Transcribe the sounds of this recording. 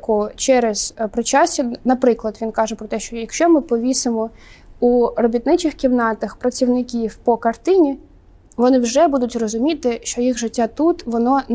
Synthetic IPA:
kʊt͡ʃɛɾɛz̥pɾɪt͡ʃɑsʲɐnɐpɾɪklˠɐd̪ʋʲinkɑʒɛpɾɔt̪ɛʃt͡ʃɔjɐkʃt͡ʃɔmɪpɔʋʲisɪmɔ | urɔbʲit̪nɪt͡ʃɪxkʲiwnɑt̪ɐxpɾɐt͡sʲiwnɪkʲiwpɔkɐrt̪ɪnʲi | ʋɔnɪwʒɛbud̪ʊtʲrɔzʊmʲit̪ɪʃt͡ʃɔjixʒɪtʲːat̪ut̪ʋɔnɔ

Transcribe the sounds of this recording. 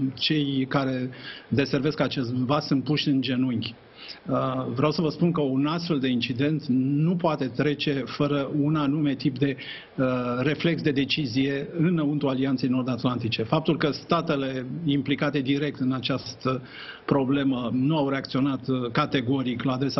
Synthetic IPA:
t͡ʃe̞jkaɾe̞d̪e̞se̞rve̞skat͡ʃe̞st̪vassɨnt̪̚puʃʲɨnd͡ʒe̞nuŋɡʲ | vɾeawsəvəspunkəunast̪fe̞ld̪e̞int͡ʃid̪e̞nt̪nupoat̪e̞t̪ɾe̞t͡ʃe̞fəɾəunanume̞t̪ip̚d̪e̞ | re̞fle̞ksd̪e̞d̪e̞t͡ʃizije̞ɨnəunt̪ualiant̪se̞jno̞rd̪at̪lant̪it͡ʃe̞fap̚t̪ulkəst̪at̪e̞le̞implikat̪e̞d̪iɾe̞k̚t̪ɨnat͡ʃast̪ə | pɾo̞ble̞mənuawɾe̞akt̪sio̞nat̪kat̪e̞ɡo̞ɾiklaːd̪ɾe̞sa

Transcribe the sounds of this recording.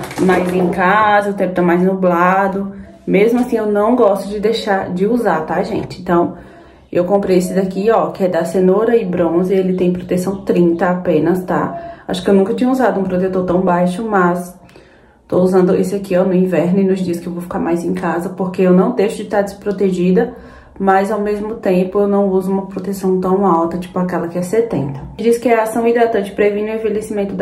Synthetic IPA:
majzvĩẽkazɐʊt̪ẽpʊt̪amajznublad̪ʊ | mezmʊasĩewnɐ̃w̃ɡɔst̪ʊd͡ʒɪd̪ejʃaɾd͡ʒɪuzaɾt̪aʒḛ̃t͡ʃɪẽnt̪ɐ̃w̃ | ewkõmpɾejesɪd̪akiɔkɪɛd̪ɐsẽnoɾɐɪbɾõzɪelɪt̪ẽj̃pɾot̪esɐ̃w̃t̪ɾĩt̪ɐapẽnɐst̪a̰a̰ʃʊ̥kɪewnũkɐt͡ʃĩɲɐuzad̪ʊũpɾot̪et̪oɾt̪ɐ̃w̃bajʃʊmɐs | t̪ouzɐ̃nd̪ʊisɪakiawmewĩvɛɾnʊɪnʊzd͡ʒiskɪewvowfi̥kaɾmajzẽj̃kazɐpoɾkeewnɐ̃w̃d̪ejʃʊd͡ʒɪt̪aɾd̪ɪspɾot̪eʒid̪ɐ | mɐzawmezmʊt̪ẽpʊewnɐ̃w̃uzʊũmɐpɾot̪esɐ̃w̃t̪ɐ̃w̃awt̪ɐt͡ʃi̥pʊakɛlɐkɪɛsɛt̪ẽnt̪ɐd͡ʒiskɪɛasɐ̃w̃id̪ɾat̪ɐ̃nt͡ʃɪ̥pɾevĩnʊẽvelesimẽnt̪ʊd̪

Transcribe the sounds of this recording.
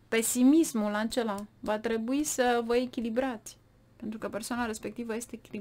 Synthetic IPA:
pe̞simismulat͡ʃelavat̪ɾe̞buisəvəe̞kʲilibɾat̪sʲ | pe̞nt̪ɾukəpe̞rsoanaɾe̞spe̞k̚t̪ivəje̞st̪e̞ːkʲili

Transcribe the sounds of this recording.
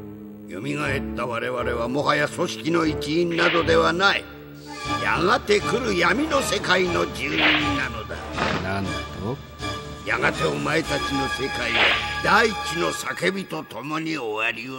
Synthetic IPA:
jo̰mʲiɡae̞t̪ːaβaɾe̞βaɾe̞βamo̞ɦajaso̞ɕi̥kʲino̞it͡ɕiĩnːad̪o̞d̪e̞βanai | ja̰ɡat̪e̞kɯ̟ɾɯ̟jamʲino̞se̞kaino̞d͡ʑɨːiɲĩnːano̞d̪a̰nanao | ja̰ɡat̪e̞omae̞t̪at͡ɕino̞se̞kaiβad̪ait͡ɕino̞sake̞bʲit̪o̞t̪o̞mo̞ɲ̟ioaɾʲi

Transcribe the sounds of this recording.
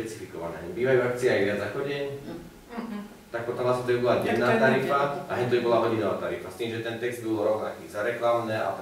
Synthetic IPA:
pɛt͡si̥fikɔʋa̰nɛ̰ːɦɛbiːʋajuak̚t͡siɛajvɾɪad͡znaxɔɟɛɲ | t̪ak̚pɔt̪ɔmlasmɛt̪ɔibɔlaɟɛd̪naːt̪aɾifaaɦɛɲt̪ɔibɔlaɦɔɟinɔʋat̪aɾifast̪iːmʒɛt̪ɛnt̪ɛɡzd̪bilɾɔʊnakizaɾɛklamnɛːa̰

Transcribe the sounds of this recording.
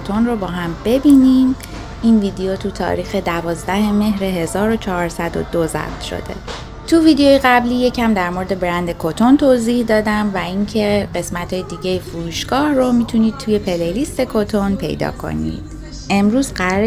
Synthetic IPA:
t̪ʰonrobɒːɦæmbe̞biːniːm | iːnvid̪ejot̪ʰut̪ʰɒ̰ɾiːxe̞d̪ævɒːzd̪æheme̞ɦɾeɦe̞zɒːɾo̞t͡ʃʰɒɦːɾsæd̪o̰d̪ozæ̰ft̪ʃo̰d̪e̞̰ | t̪ʰuviːd̪ejoːjeɣæbliːje̞cʰæmd̪æɾmoɾed̪e̞bɾænd̪e̞kʰot̪ʰo̞nt̪ʰoziːhd̪ɒːd̪æmvæiŋcʰe̞ɢe̞smæt̪ʰhɒːjed̪iːɟejefuɾuːʃɡ̥ɒːhromit̪ʰuniːd̪̥̚t̪ʰuːje̞pʰe̞lejlist̪e̞kʰot̪ʰonpʰe̞̰jd̪ɒ̰ːkʰo̰nḭd̪̥ | e̞mɾuːzɢæɾɒɾe

